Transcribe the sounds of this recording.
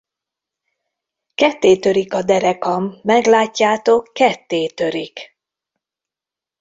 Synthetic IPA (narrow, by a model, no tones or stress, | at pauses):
kɛt̪ːeːt̪ø̞ɾikɒd̪ɛɾɛkɒmːɛɡlaːcːaːt̪o̞kːɛt̪ːeːt̪ø̞ɾik